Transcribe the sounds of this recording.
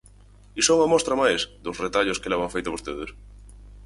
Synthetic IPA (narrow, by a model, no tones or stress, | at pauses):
isoŋamost̪ɾamajsd̪osret̪aʎoskelaβaɱfejt̪aβost̪eðes